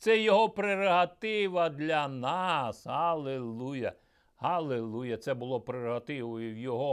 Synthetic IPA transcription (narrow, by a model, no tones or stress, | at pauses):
t̪sɛjɔɦɔpɾerɔɦɐt̪ɪʋɐd̪lʲɐnɑshɐlˠelˠujɐ̰ | hɐlˠelˠujɐt̪sɛbʊlˠɔpɾeɾɔɦɐt̪ɪʋɔjʊwjɔɦɔ